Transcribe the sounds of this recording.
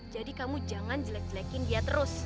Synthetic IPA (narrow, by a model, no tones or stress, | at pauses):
d͡ʒadikamud͡ʒaŋand͡ʒəlɛk̚d͡ʒəlɛkɪŋdiat̪əɾʊs